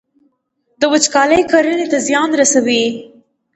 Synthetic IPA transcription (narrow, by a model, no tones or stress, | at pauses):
d̪əwət͡ʃkɑləjkaɾənet̪azjɑnɾasawi